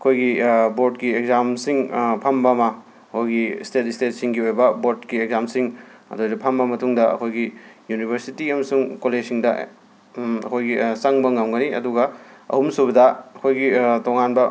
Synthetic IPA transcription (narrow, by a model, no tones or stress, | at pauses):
ɐkʰojɡiboɾtkieɡ̚zamsiŋpʰɐmbɐmɐ | ɐkʰojɡistetistet̚siŋɡiojbɐboɾdkieɡzamsiŋɐ̰dojdɐpʰɐmbɐmɐtʰuŋdɐɐ̰kʰojɡijunibʱɐɾsitiɐmɐsuŋkoled͡ʒsiŋdɐ | ɐ̰kʰojɡisɐŋbɐŋamɡɐniɐ̰duɡɐɐ̰humsubɐdɐɐkʰojɡitoŋanbɐ